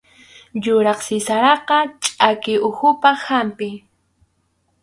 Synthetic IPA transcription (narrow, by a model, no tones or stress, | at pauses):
jʊɾɑχsɪsaɾɑqɑt͡ʃʼakɪʊxʊpahampɪ